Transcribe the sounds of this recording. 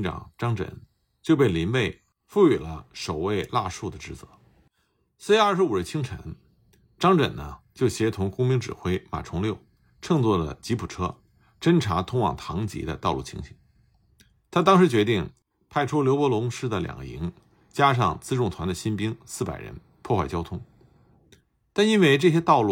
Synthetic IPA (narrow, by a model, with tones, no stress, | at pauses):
nʈ͡ʂɑ̰˨˩ŋʈ͡ʂɑ˥ŋʈ͡ʂə̰˨˩˦n | t͡ɕjo˥˧ʊp̬e˥˩ɪli˧˥npe˥˩ɪ | fu˥˩y˨˩lə˦ʂo˨˩ʊwe˥˧ɪla˥˧ʂu˥˩d̪ə˩ʈ͡ʂɻ̩˧˥˩t͡sɤ̰˧˥ | sɹ̩˥ɐ˞˥˩ʂɻ̩˧˥u˨˩ɻ̩˧˥t͡ɕʰi˥ŋʈ͡ʂʰə̰˧˥n | ʈ͡ʂɑ˥ŋʈ͡ʂə̰˨˩nnə˦t͡ɕjo˥˩ʊɕjɛ˧˥t̪ʰʊ˧˥ŋkʊ˥ŋmi˥ŋʈ͡ʂɻ̩˨˩xwe˥ɪma̰˨˩ʈ͡ʂʰʊ˧˥ŋljo˥˩ʊ | ʈ͡ʂʰɤ˥˧ŋt͡swɔ˥˩lə̰˩t͡ɕi˧˥pʰu˨˩ʈ͡ʂʰɤ˥ | ʈ͡ʂə˥nʈ͡ʂʰa˧˥t̪ʰʊ˥ŋwɑ̰˨˩ŋt̪ʰɑ˧˥ŋt͡ɕḭ˧˥d̪ə̰˧t̪ɑ˥˧ʊlu˥˩t͡ɕʰḭ˧˥ŋɕḭ˨˩˦ŋ | t̪ʰa˥t̪ɑ˥ŋʂɻ̩˧˥t͡ɕɥɛ˧˥t̪i˥˩ŋ | pʰa˥˩ɪʈ͡ʂʰu˥ljo˧˥ʊpwɔ˧˥lʊ˧˥ŋʂɻ̩˥˩d̪ə˩ljɑ̰˨˩ŋɡə̰˦ḭ˧˥ŋ | t͡ɕja˥ʂ̬ɑ̰˥˧ŋt͡sɹ̩˥ʈ͡ʂʊ˥˩ŋt̪ʰwa˧˥nd̪ə˧ɕi˥npi˥ŋsɹ̩˥˩pa˨˩ɪɻə̰˧˥n | pʰwɔ˥˧xwa˥˩ɪt͡ɕjɑ˥ʊt̪ʰʊ˥ŋ | t̪a˥˩ni˥nwe˥˧ɪʈ͡ʂɤ˥˩ɕ̬jɛ˥t̪ɑ˥˧ʊlu˥˩